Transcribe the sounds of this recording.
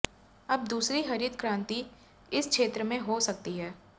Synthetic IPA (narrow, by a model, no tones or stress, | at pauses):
ɐb̚d̪uːsɾiɦɐɾit̪kɾãːnt̪i | ɪskʃʰeːt̪ɾəmẽɦosɐk̚t̪iɦɛː